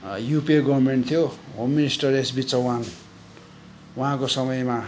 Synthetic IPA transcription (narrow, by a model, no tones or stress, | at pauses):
jupeɡʌbrmeɳʈt̪ʰijoɦomːinisʈʌresbit͡sʌwan | wuɦãkosʌmʌjma